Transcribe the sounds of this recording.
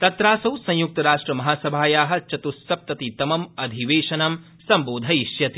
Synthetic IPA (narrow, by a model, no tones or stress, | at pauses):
t̪ɐt̪ɾaːsɐwsɐ̃j̃juk̚t̪ɐɾaːʂʈɾɐmɐɦaːsɐbʱaːjaːɦɐ̆t͡ʃɐt̪usːɐp̚t̪ɐt̪it̪ɐmɐmɐd̪ʱiʋeːʃɐnɐm | sɐmboːd̪ʱɐjiʃjɐt̪i̥